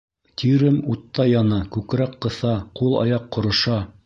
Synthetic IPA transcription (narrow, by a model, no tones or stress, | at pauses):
t̪ʲʰiɾɘmut̪ːɑjɑnɑkʉkɾæqːɤ̆θɑqulˠɑ̰jɑqːŏɾŏʃɑ